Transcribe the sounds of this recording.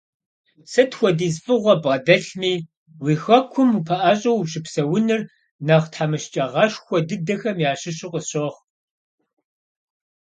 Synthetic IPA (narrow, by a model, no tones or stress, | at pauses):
sɐtxʷɔdiːzfʼɨʁʷɐbʁɐdɐɬmiː | wiːxɐkʷʰʊmupʰɐʔaːɕʼɐwɕɪpsɐwʊnɨr | nɐʁtħaːmɨʃt͡ʃʼɐʁɐʂxʷɔdɨdɐxɐmjaːɕɪɕɪqʼəɕɐʁ